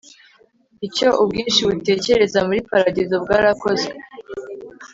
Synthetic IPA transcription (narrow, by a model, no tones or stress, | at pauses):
ico̞ʔubɡiːnʃiβute̞ːce̞ɾe̞zamuɾipaɾaɟezo̞bɡaːɾako̞ze